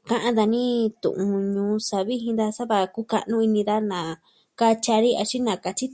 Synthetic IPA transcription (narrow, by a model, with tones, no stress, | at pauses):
kã˦ʔã˦d̪a˧nĩ˦t̪ṵ̃˨ʔũ˧ɲũː˧sa˧βi˦ɦĩ˧nd̪a˧sa˦βa˧ku˦ka̰˧nũ˦i˧nĩ˧d̪a˦nã˨ | ka˦t͡ʃa˧ɾi˦a˧t͡ʃi˦nã˨ka˧t͡ʃi˦